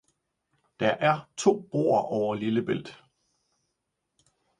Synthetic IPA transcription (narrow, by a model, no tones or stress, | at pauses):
d̥ɑ̈ʔæɐt͡sʰo̝̰ːb̥o̝̰ːɐʔɒʊɐliləb̥el̰d̥